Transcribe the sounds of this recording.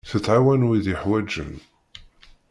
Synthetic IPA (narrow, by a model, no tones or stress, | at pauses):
θət͡sːʕawænwiðjəħwæd͡ʒːə̰n